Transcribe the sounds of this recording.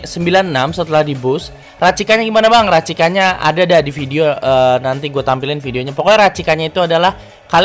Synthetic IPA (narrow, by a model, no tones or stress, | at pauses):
səmbilannamsət̪əlahdibʊs | rat͡ʃikaɲaɡimanabaŋrat͡ʃikaɲaʔa̰dadadifideoəːnant̪iɡuat̪ampilɪnfideoɲapokoɛɾat͡ʃikaɲait̪uadalah | kal